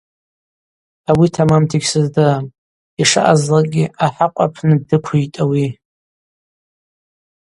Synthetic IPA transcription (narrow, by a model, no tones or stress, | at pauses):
awitʰamamtʰiɡʲsɨzdɨm | iʂa̰ʔazlaɡʲiʔaħaqʷʼa̰pʰnɨdɨkʷʰuitʼawi